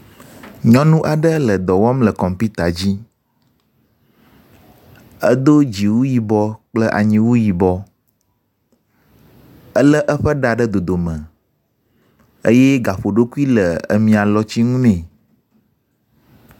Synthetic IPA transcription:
ɲɔ̃˦nũ˦ʔa˨ɖə˦lə˨d̪ɔ˨wɔ˦mlə˨kɔ˨mpi˦t̪a˨d͡ʑi˦ | ə˦d̪o˦d͡ʑi˨wu˦ji˨bɔ˦k͡plə˦ʔa̰˨ɲĩ˦wu˦ji˨bɔ˦ | ə˦lə˦ʔə˦ɸə˦ɖa˨ɖə˦d̪o˨d̪o˨mə̃˨ | ə̰˦jɛ˦ɡa˨ɸo˨ɖo˦ku˦i˦lə˨ə̰˨mĩ˨a˨lɔ˦t͡ɕi˦ŋũ˦nɛ̃˨

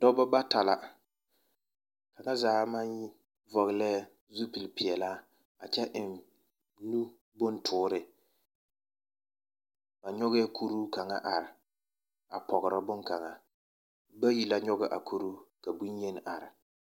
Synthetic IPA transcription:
d̥ɔ˦bɔ˦ba˦ta˨la˨ | ka˨ŋa˦zaː˨˦ma˦ɲji˦ | vɔ˨ɣɪ˨lɛː˦ | zu˦pi˨lpɪ˨ɛ˨laː˦ | a˨t͡ʃɛ˦ʔɪ˨n | nu˦ | bʊ˦ntʰʊː˦ɾɪ˦ | b̥a˨ɲɔ˦ɣɛ˦kʰu˦ɾuː˦ka˨ŋa̰˦ʔa˨ɾɪ˨ | a˨pɔ˨ɣɪ˨ɾɪ˦bʊ˦ŋka˨ŋa˨ | ba˦ji˨la˦ɲɔ˦ɣɛ˨ʔa̰˨kʰu˦ɾuː˦ka˨bu˦n˦je˦n˨ʔa˨ɾɪ˨

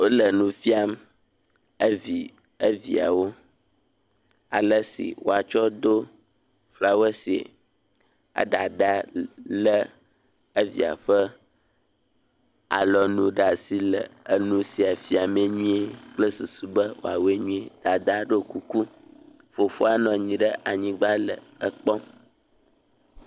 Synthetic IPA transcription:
wo˦lə˨nũ˦fi˦a˦m | ə˦vi˨ | ə˦vi˨a̰˨wo˦ | a̰˨lə˦sḭ˨wo̰˦a˨t͡ʃɔ˦d̪o˦ | fla˦we˦si˨ḛ˨ | a̰˦d̪a˨ɖ̪a˦lə˦ | ə˦vḭ˨a̰˨ɸə˦ | a̰˨lɔ˨nũ˦ɖa˨si˦lə˨ə˦nũ˦si˨a˨fi˦a˨me˨ɲĩ˦e˦k͡plə˦su˨su˨bə˦wo̰˨a˨we˦ɲũ˦e˨d̪̥a˨d̪a˦ɖo˦ku˦ku˦ | fo˨fo˦a˨nɔ̃˨ɲĩ˨ɖə˦ʔa˨ɲĩ˦ɡ͡ba˦lə̰˨ | ə˦k͡pɔ̃˦m

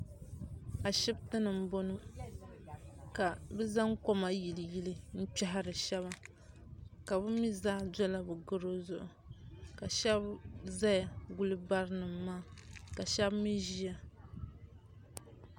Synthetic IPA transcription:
a˨ʃɪ˦btɨ˦nɨ˨m̩˦bo˦nɨ˦ | ka˨bɛ˦za˦ŋko˦ma˦ji˨lɨ˨ji˦lɨ˦n̩˦t͡ʃɛ˦ɦa˦ɾɨ˨ʃɛ˦βa˨ | ka˨bɨ˦mi˦zaː˦dɔ˦la˦bɨ˨ɡɨ˦ɾo˦zʊ˦ʔʊ˨ | ka˨ʃɛ˦bza˦ja˨ɡu˦lɨ˦ba˦ɾɨ˦nɨ˨mːaː˦˨ka˨ʃɛ˦bmi˦ʒi˦ja˨

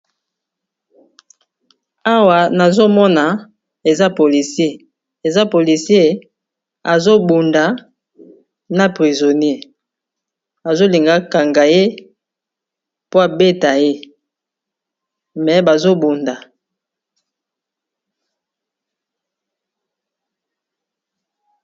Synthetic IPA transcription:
a˦wa˨na˨zo˦mɔ˦na˨ | e˨za˦po˨li˨sje˦ | e˨za˦po˨li˨sje˦ | a˨zo˦bu˨nda˨ | na˦pʁi˨zo˨n˦e˦ | a˨zo˦li˨ŋɡa˦ka˨ŋɡa˨je˦ | po˦a˨be˦ta˨je˦ | mɛ˨ba˨zo˦bu˨nda˨

